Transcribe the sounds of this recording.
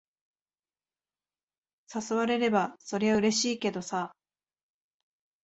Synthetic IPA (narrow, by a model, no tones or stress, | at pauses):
sasoβaɾe̞ɾe̞baso̞ɾe̞βaɯ̟ɾe̞ɕiːke̞d̪o̞sa